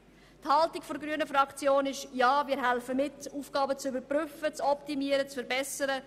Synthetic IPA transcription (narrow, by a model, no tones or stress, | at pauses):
thɑltikfɔɾɡɾyənəfɾɑkt͡sjoːnɪʃjaːmɪːɾɦɛlfəmɪtuːfɡ̥ɑːbət͡sybəɾpryfət͡sɔptimiəɾət͡sfəɾbɛsəɾə